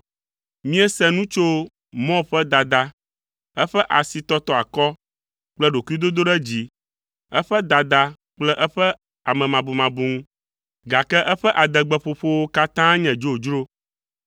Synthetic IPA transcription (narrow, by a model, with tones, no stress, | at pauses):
mĩ˦ɛ˦sɛ̃˦nũ˦t͡ʃo˦ | mɔ̃˦ɸɛ˦d̪a˨d̪a˨ | ɛ˦ɸɛ˦ʔa˨si˨t̪ɔ˦t̪ɔ˦a˨kɔ˦ | k͡plɛ˦ɖo˨ku˦i˦d̪o˦d̪o˦ɖɛ˦d͡ʑi˦ | ɛ˦ɸɛ˦d̪a˨d̪a˦ | k͡plɛ˦ʔɛ˦ɸɛ˦ | a˨mɛ̃˨mã˨bu˨mã˨bu˨ŋũ˦ | ɡa˨kɛ˦ʔɛ˦ɸɛ˦ʔa˨d̪ɛ˨ɡ͡bɛ˨ɸo˨ɸo˦wo˦ka˦t̪ã˦ɲɛ̃˨d͡ʒo˦˨d͡ʒɾo˦